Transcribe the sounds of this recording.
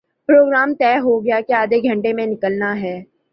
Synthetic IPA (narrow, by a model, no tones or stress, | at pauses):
pɾoːɡɾaːmt̪ɛːɦoɡɐjakeaːd̪ʱeɡʱɐ̃ɳʈemẽnɪkəlnaɦɛː